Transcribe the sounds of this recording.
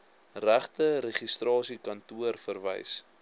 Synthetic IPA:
ræχtəɾeχistrɑːsikɐntuərfərvə̰js

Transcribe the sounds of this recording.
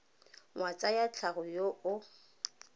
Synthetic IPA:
ŋwat͡sʼajat͡ɬʰaɣʊjoʔʊ

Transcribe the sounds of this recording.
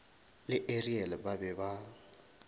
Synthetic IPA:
lɪʔeriɛlɛbabɛba

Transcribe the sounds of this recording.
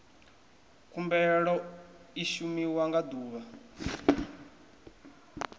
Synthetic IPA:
kumbɛɺɔiʃumiwaŋɡad̪uːβa

